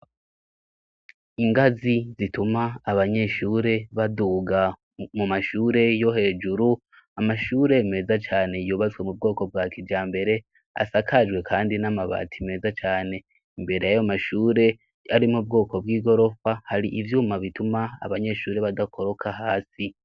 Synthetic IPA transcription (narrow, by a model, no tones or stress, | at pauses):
iŋɡazizitumaːβaɲe̞ʃuːɾe̞βaduːɡa | mumaʃuːɾe̞jo̞ɦe̞ːd͡ʒuɾu | amaʃuːɾe̞me̞ːzat͡ʃaːne̞juːβazɡwe̞mub̚ɡo̞ːko̞b̚ɡaːkʰiɟaːmbe̞ɾe̞ | a̰sakʰad͡ʒɡwe̞kʰaːndinamaβa̰ːtʰime̞ːzat͡ʃaːne̞ | imbe̞ɾe̞jajomaʃuːɾe̞ | aɾimub̚ɡo̞ːko̞bɡiːɡo̞ɾo̞fahaɾiʔivjuːmaβituma̰ːβaɲe̞ʃuːɾe̞βadakʰo̞ɾo̞kʰaɦaːsi